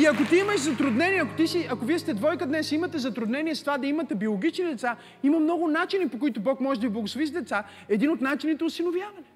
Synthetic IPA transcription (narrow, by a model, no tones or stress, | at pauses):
iɐkot̪iiməʃzɐt̪ɾʊd̪nɛniɛɐkot̪isiɐkoviɛst̪ɛd̪vɔjkəd̪nɛsimət̪ɛzɐt̪ɾʊd̪nɛniɛst̪ovad̪ɐimɐt̪ɛbiolˠoɡʲit͡ʃnid̪ɛt̪sa | imɐmnɔɡʊnat͡ʃinipokʊit̪ʊbɔkmɔʒɛd̪ɐviblˠɐɡʊsˠovizd̪ɛt̪sa | ɛd̪inot̪nat͡ʃinit̪ɛʊsinovjavɐnɛ